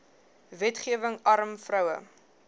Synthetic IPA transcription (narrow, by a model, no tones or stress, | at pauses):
vɛtχiəvəŋɐɾəmfrœwə̰